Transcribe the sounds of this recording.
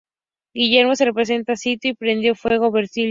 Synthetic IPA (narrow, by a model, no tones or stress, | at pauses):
ɡiʝeɾmo̞se̞repɾes̬e̞nt̪asit̪joipɾend̪jofwe̞ɣ̞oβeɾsil